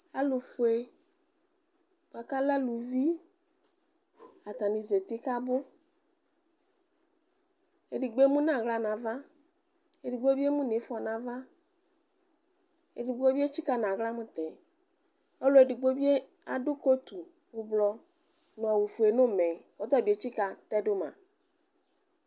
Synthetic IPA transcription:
a˨lʊ˨fʊ˨e˨ | bʊ˨a˨ka˦la˦lu˨vi˦ | a˨t̪a˨nĩ˨ze˨t̪ɪ˦ka˦bʊ˦ | e˨di˨ɡ͡be˦mũ˦nã˨ɣla˨nã˨va˦ | e˨di˨ɡ͡be˦bi˦e˦mũ˦ne˨˦fʊ˦a˨nã˨va˦ | e˨di˨ɡ͡bo˦be˦t͡ɕi˦ka˨nã˨ɣla˦mʊ̃˦t̪ɛ˨ | o˦lo˦e˨di˨ɡ͡bo˦bi˦e˦ | a˨dʊ˦ko˦t̪u˨ | wʊ˨blɔ˦ | nɔ̃˨a˨wu˨fu˨e˨nʊ̃˦mɛ̃˨kɔ˨˦t̪ɔ˦˨di˨e˨˦t͡ɕi˦ka˨t̪ɛ˦dʊ˦mã̰˨

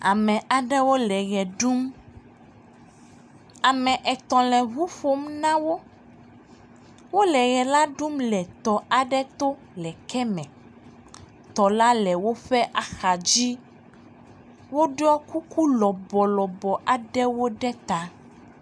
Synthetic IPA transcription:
a˨mɛ̃˨ʔa˨ɖɛ˦wo˦lɛ˨ɣɛ˨ɖu˦m | a˨mɛ̃˨ʔɛ˨t̪ɔ̃˨lɛ̃˨βu˦fo˦mnã˦wo˦ | wo˦lɛ˨ɣɛ˨la˦ɖu˦mlɛ˨t̪ɔ˨a˨ɖɛ˦t̪o˦ | lɛ˨kʰɛ˦mɛ̃˨ | t̪ɔ˨la˦lɛ˨wo˦ɸɛ˦ʔa˨xa˨d͡ʑi˦ | wo˦ɖɔ˦ku˦ku˦lɔ˨bɔ˨lɔ˨bɔ˨ʔa˨ɖɛ˦wo˦ɖɛ˦t̪a˦

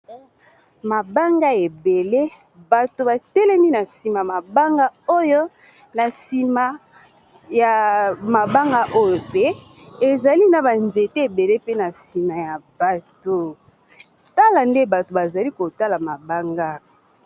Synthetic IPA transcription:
ma˨ba˦ŋɡa˦e˨be˨le˦ | ba˨to˨ba˨tɛ˦lɛ˦mi˦na˨si˨ma˨ma˨ba˦ŋɡa˦o˦jo˦ | na˨si˨ma˨ | ja˨ma˨ba˦ŋɡa˦ʔo˦jo˨pe˦ | e˨za˨li˦na˨ba˨nze˨tɛ˦e˨be˨le˦pe˦na˨si˨ma˨ja˨b̥a˨to˨ | ta˦la˨nde˦ba˨to˨ba˨za˨li˦ko˨ta˦la˨ma˨ba˦ŋɡa˦

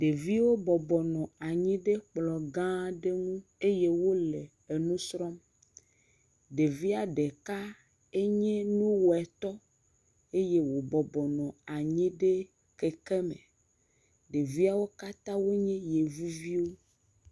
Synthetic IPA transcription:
ɖe˨vi˦wo˦bɔ˨bɔ˨nɔ̃˨a˨ɲĩ˦ɖe˦k͡plɔ˨ɡã˦ɖe˦ŋũ˦e˦je˦wo˦le˨ | e˨nũ˦sɾɔ˦m | ɖe˨vi˦a˨ɖe˨ka˦ | e˦ɲɛ̃˦nũ˦wo˨ɛ˨t̪ɔ˦ | e˦je˦wo˨bɔ˨bɔ˨nɔ̃˨a˨ɲĩ˦ɖe˦ | ke˨ke˦mḛ˨ | ɖe˨vi˦a˦wo˦ka˦t̪ã˦wo˦ɲɛ̃˦je˨vu˦vi˦wo˦

